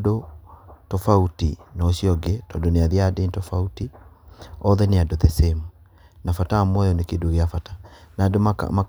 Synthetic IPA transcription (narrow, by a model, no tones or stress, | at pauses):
dotɔfautinɔɕiɔɡetɔndoneaðiadentɔfauti | ɔðɛneadoðesemu | nafataːmwɔjɔnekeːdoɣeafatḁnadoa̰ma